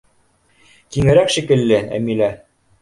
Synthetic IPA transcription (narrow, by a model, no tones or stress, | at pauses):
t̪iŋɘ̆ɾækʃikɘ̆lːɘæ̰milæ